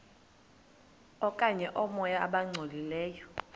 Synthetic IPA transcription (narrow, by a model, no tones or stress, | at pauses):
ɔkʼaɲɛʔɔmɔjaaɓaŋ͡ǀʱolilɛːjɔ